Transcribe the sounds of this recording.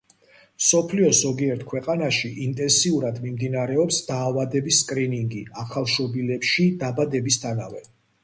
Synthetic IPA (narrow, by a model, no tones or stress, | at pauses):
msɔpʰliɔzɔɡiɛɾt̪ʰkʰwɛqʼanaʃiʔint̪ʼɛnsiuɾad̪mimd̪inaɾɛɔpsd̪aːvad̪ɛbisːkʼɾiniŋɡiaχalˠʃɔbilɛpʃid̪abad̪ɛbist̪ʰana̰vɛ